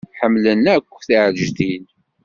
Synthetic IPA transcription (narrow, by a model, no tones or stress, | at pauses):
ħəmːlənækʷːθiʕʒθin